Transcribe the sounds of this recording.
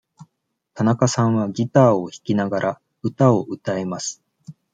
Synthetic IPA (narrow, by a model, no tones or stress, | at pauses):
t̪anakasãɰ̃βaɡʲit̪aːo̞çi̥kʲinaɡaɾʔa | ɯ̟t̪ao̞ʔɯ̟t̪ae̞masɨ̥